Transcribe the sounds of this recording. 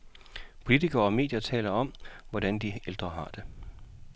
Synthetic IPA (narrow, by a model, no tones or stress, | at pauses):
pʰo̝lit͡sʰiɡ̥ɐːɒ̽me̝ːd̥jɐt͡sʰɛ̰ːlɐɒ̽m̰ʋɒd̥ænd̥ield̥ʁɐɦɑ̈d̥e̝